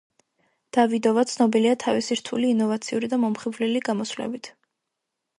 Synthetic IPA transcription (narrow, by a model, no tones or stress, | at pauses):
d̪̥avid̪ɔvat̪sʰnɔbiliat̪ʰavisiɾt̪ʰuliːnɔvat̪sʰiuɾid̪amɔmχibvliliɡamɔsvlɛ̰bit̪ʰ